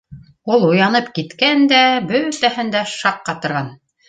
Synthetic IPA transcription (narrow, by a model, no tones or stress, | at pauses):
ulˠujɑnɤpkit̪kænd̪æbɵt̪æhɘnd̪æʃɑqːɑt̪ŏɾʁɑn